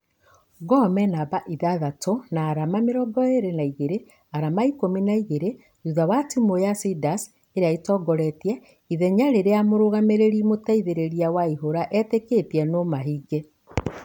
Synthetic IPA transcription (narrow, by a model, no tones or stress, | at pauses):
ɡɔmɛnabaʔiðaðatonaːɾamameɾɔɡɔeɾenaiɣeɾe | aɾamaikominaiɣeɾe | uðawatimojasidas | eɾeaitɔɡɔɾɛtjɛ | iðɛɲaɾeɾeamoɾoɣameɾeɾimotaiðeɾeɾiawaiɦoɾaʔɛteketiɛnomaɦiːɡe